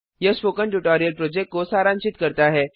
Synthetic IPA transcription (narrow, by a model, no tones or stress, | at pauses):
jɐspoːkəɳʈuʈoːɾijəlpɾoːd͡ʒɛk̚ʈ̚kosaːɾãːɲt͡ʃɪt̪kɐɾt̪aɦɛː